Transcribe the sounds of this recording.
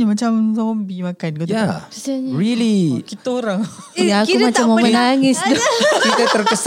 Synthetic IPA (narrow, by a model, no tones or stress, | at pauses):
ɲamat͡ʃamzɔmbimakanɡot̪aiaɲɹilikit̪aoɾaŋ | akumat͡ʃamːamənaŋɪsd̪ukit̪at̪ərkəs